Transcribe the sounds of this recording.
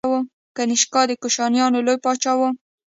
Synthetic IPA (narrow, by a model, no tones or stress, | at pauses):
wo | kanɪʃkɑd̪əkoʃɑnjɑnolojpɑt͡ʃɑwə